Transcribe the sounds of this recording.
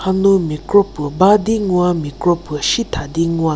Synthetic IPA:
hanumikɾopubad̪iŋuwamikɾopuʃit̪ʰad̪iŋua

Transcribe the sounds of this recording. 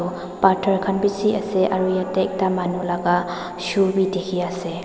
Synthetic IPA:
patʰaɾkʰanbisiɐseʔaɾujatek̚damanulaɡa | subidekʰijase

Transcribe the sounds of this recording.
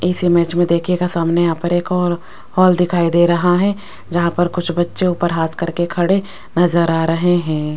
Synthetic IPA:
ɪsimɛːt͡ʃmẽd̪eːkʰekasaːmneaːpɐɾeːkɔːɾ | hɔːld̪ɪkʰaːid̪eːɾɐɦaɦɛ | d͡ʒɐɦãpɐɾkʊt͡ʃʰbɐtːʃeuːpəɾɦaːt̪ʰkɐɾkekʰɐɽe | nɐzəɾaːɾɐɦeɦɛ̃ː

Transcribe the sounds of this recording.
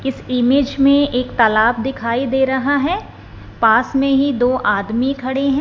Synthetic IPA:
ɪsɪmeːd͡ʒmẽeːkt̪ɐlaːb̚d̪ɪkʰaːid̪eːɾɐɦaɦɛː | paːsmẽɦid̪oːʔaːd̪mikʰɐɽeɦɛ̃

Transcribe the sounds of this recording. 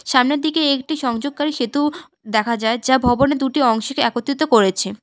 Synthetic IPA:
ʃamned̪ikeek̚ʈiʃɔŋd͡ʑoɡ̚kaɾiʃet̪u | d̪ɛkʰad͡ʑaed͡ʑabʱɔboned̪uʈiɔŋʃokeɛkot̪ːit̪okoɾet͡ɕʰe

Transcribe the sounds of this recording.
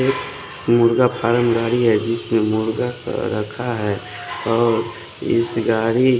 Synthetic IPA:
ek | mʊɾɡapʰaːɾəmɡaːɽiɦɛd͡ʒɪsmẽmʊɾɡasɾəkʰaɦɛ | ɔːɾ | ɪ̰sɡaːɽi

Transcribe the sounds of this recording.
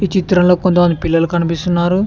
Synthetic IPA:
iːt͡ʃit̪ɾɐmlo̞ːkont̪ɐmɐnd̪ipilːɐlukɐnipist̪unːaːɾu

